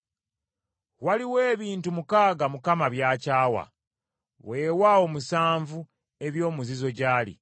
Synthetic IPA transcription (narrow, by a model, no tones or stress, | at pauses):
waliwe̞ːβiːntumukaːɡamukamaβjaːcaːwa̰ | we̞ːwawo̞musaːɱvu | e̞βjo̞ːmuzizo̞ɟaːlḭ